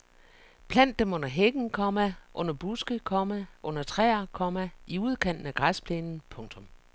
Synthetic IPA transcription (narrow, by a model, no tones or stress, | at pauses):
pʰlæn̰d̥emɔ̽n̰ɐɦeɡ̥n̩kʰɒ̽mæʔɔ̽n̰ɐb̥usɡ̥əkʰɒmæʔɔ̽n̰ɐt͡sʰʁɛ̰ːɐkʰɒ̽mæiuð̞ˠkʰen̰d̥n̩æɡ̥ʁaspʰlenn̩pʰɔ̽ŋt͡sʰɔ̽m